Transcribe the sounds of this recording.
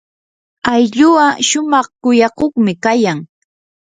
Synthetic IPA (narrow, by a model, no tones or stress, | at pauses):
ajʎʊwaʃʊmɑχkʊjɑkoχmɪkajaŋ